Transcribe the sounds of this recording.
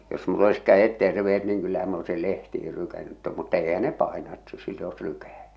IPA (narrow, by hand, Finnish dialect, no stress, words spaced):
jos mulː olis kæj̆et terʋeet niːŋ kylːæhæm m oesil lehtihil lykænːyt̆ tom mutːɑ eihæ ne pɑˑenɑ et siːtæ̆ oes lykæˑtæ̥